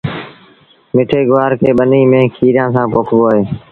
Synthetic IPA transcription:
mɪʈʰeːɡʊʋaːɾkʰeːɓəniːmẽːkʰiːɾjãːsãːpoːkʰʋoːeː

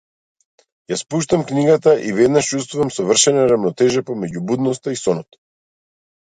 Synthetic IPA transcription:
jaspuʃt̪amkniɡat̪aʔivɛd̪naʃt͡ʃust̪vuvamsɔvr̩ʃɛnaɾavnɔt̪ɛʒɛpɔmɛɟubud̪nɔst̪aisɔnɔt̪

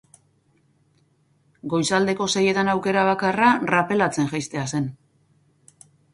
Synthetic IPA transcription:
ɡo̞jsald̪e̞ko̞se̞je̞t̪anawke̞ɾaβ̞akararape̞lat͡se̞ŋʝajst̪e̞ase̞n

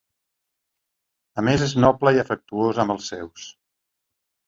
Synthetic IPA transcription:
əmezeznɔpləiəfək̚t̪uozəmbəlˠsːɛws

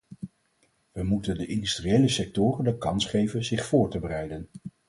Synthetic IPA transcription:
ʋəmutəndəʔɪndystriejləsɛk̚tʊːrəndəkɑnsχejvənzɪχfʊːɹtəbəɾɛjdən

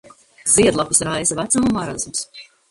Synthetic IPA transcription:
ziɛd̪lˠapɨsɾajzavæt̪samumaɾazmus

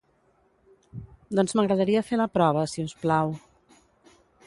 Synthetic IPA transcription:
d̪ɔnzməɣɾəðəɾiəfeləpɾɔβ̞əsiusplaw

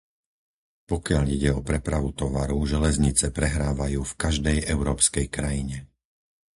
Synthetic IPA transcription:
pɔkɪaʎiɟɛɔpɾɛpɾaʋut̪ɔʋaɾuʒɛlɛzɲit͡sɛpɾɛɦɾaːʋajuːfkaʒd̪ɛjɛʊɾɔːpskɛjkɾajiɲɛ

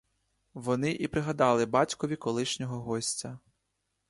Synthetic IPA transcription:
ʋɔnɪʔipɾɪɦɐd̪ɑlˠɪbɑtʲkɔʋʲikɔlˠɪʃnʲɔɦɔɦɔsʲt͡sʲɐ

